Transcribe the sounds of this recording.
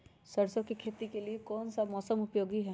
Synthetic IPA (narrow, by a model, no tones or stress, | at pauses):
sɐɾsõkikʰeːt̪ikeliekɔːnsamɔːsəmʊpjoːɡiɦɛ